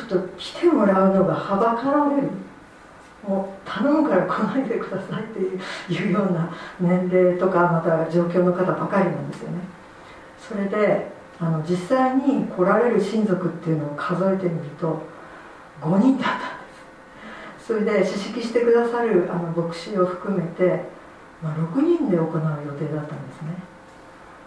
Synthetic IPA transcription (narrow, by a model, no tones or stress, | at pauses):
o̥t̪ːokʲi̥t̪ʰe̞mo̞ɾaɯ̟no̞ɡahabakaɾaɾeɾɯ̟ | moːt̪ʰanõmkaɾakʰonaet̪e̞kɯ̟d̪asait̪ːe̞jɯːjɯ̟ːjo̞ːnanẽ̞nɾe̞ːt̪o̞kamat̪ad͡ʑo̞ːk̬ʲo̞ːno̞kat̪abakaɾʲinãnd̪e̞sɨjo̞̰ne̞ | so̞ɾe̞d̪e̞ | ano̞d͡ʑisːaiɲ̟ikʰo̞ɾaɾe̞ɾɯ̟ɕĩnd͡zo̞kɯ̟t̪ːe̞iɯ̟no̞ːkʰazo̞e̞t̪e̞mʲiɾʲit̪o̞ | ɡo̞ɲĩnd̪at̪ːãnd̪e̞̥sɨ̥ | so̞ɾe̞d̪e̞ɕiɕikʲiɕi̥t̪e̞kɯ̟d̪asaɾɯ̟ʔano̞bo̞kɯ̟̥ɕio̞ɸɯ̟̥kɯ̟me̞t̪e̞ | maɾo̞kɯ̟ɲ̟ĩnd̪e̞o̞ko̞naɯ̟jo̞t̪e̞ːd̪at̪ːãnd̪esɨne̞